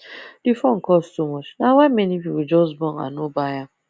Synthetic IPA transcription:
d̥ifɔn̩kɔstumɔt͡ʃnawaɪmɛniviwid͡ʒɔsbɔ̃nã̰nobaja

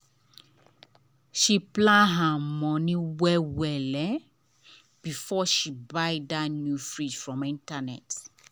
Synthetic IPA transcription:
ʃiplãnɦamɔ̃nĩwɛwɛlɛ | b̥ifɔʃibaɪdanjufɹid͡ʒfɹɔ̃mĩntanɛ̰t

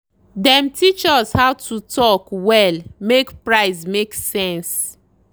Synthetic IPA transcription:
dɛ̃mtʰit͡ʃɔshaʊtʰutʰɔkwɛlmekpɹaɪsmeksɛ̃ns

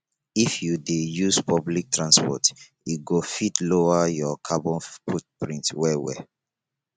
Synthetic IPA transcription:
ifjudejuspʰɔblik̚tɹãnspɔ̰t | iɡofitloajɔkʰabɔ̃nfut̚pɹĩntwɛwɛ̰

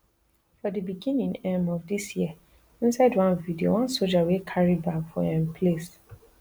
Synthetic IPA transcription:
fɔdibiɡĩnĩŋɛ̃mɔvdisjiə | ĩnsaɪdwãnvidio̰wãnsod͡ʒawekʰaɹibakfɔ̰ɛ̃mpʰles

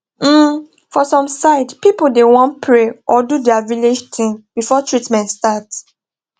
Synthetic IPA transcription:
m̩ | fɔsɔ̃msaɪdpipol̩dewɔ̃npʰɹeʔɔdudɛaviled͡ʒtʰĩŋbifɔtʰɹitmɛ̃ntstat

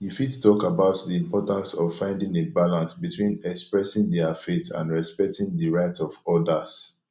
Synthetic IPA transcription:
jufittʰɔkabaʊtdiĩmpɔtãnsɔv̥fãɪ̃ndĩŋebalãnsbitʰwĩnɛkspɹɛsɪ̃ŋdɛafetʰã̰nɹɛspɛk̚tĩŋdəɹaɪtʰɔvɔdəs

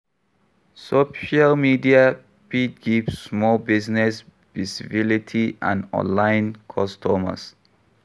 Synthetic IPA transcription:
soʃalmidia | pit̚ɡivsːmɔlbisnɛs | visibilitʰiʔã̰nɔ̰̃nlaɪ̃nkʰɔstʰɔmə̰s

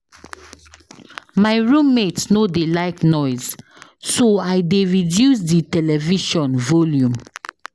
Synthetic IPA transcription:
maɪɹũmːetsnodelaɪknɔɪz̥ | soaɪdeɹidjus̬ditɛlɛviʃɔ̃nvɔljũm

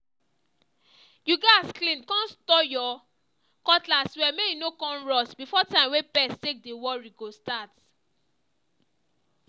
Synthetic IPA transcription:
juɡasklĩnkɔ̃nstɔjɔ | kɔtlaswɛmejunokɔ̃nɹɔsbifɔtãɪ̃mwepɛstek̚dewɔɹiɡostat

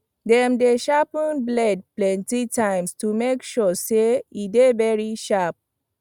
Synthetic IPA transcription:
dɛ̃mdeʃapə̃nblɛd̚plɛ̃ntitãɪ̃mstumekʃɔseidevɛɹiʃap̚

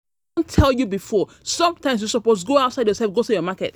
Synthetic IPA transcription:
ntʰɛlˠjubifɔ | sʌ̃mtãɪ̃ms̬jusɔposɡoaʊtsaɪdjɔsɛlˠfɡotujɔmakɛt

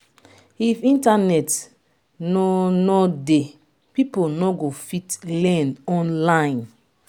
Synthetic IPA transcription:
ifĩntanɛt | nɔnɔde | piponɔɡofitlɛ̃nɔ̃nlãɪ̃n

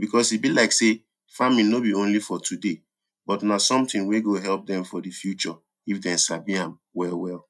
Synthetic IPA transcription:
bikɔsibilaɪkse | familnobiõnlifɔtʰude | bɔtnasɔ̃mtĩnweɡoɦɛlp̚dɛ̃mfɔdifjut͡ʃɔ | ifdɛ̃nsabiãm | wɛlwɛl

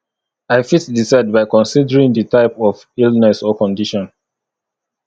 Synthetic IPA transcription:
aɪfitdisaɪd̚baɪkɔ̃nsidəɹĩŋdətaɪpɔv | ilˠnɛsɔkɔ̃ndiʃɔ̃n

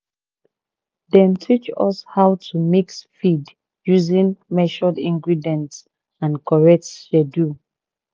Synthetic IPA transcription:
dɛ̃ntʰit͡ʃɔ̰shawtʰumiksfid | juzĩnmɛʃɔdĩŋɡɹidiɛ̃nts | ãnkʰɔɹɛk̚tʃɛdu

